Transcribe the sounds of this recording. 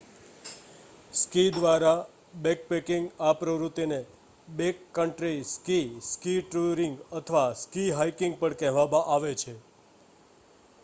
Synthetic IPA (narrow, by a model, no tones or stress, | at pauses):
skid̪ʋaɾa | bek̚pekɪŋɡapɾəʋɾut̪ːine | bekːəɳʈɾiskiskiʈɾuɾiŋɡət̪ʰəʋaskiɦaikɪ̃ŋɡ̚pəɳkɛɦʋamãʔaʋet͡ʃʰe